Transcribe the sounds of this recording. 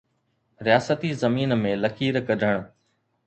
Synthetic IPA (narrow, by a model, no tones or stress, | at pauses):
ɾɪjaːsət̪izɐmiːnmẽːləkʰiːɾkədʱəɽ̃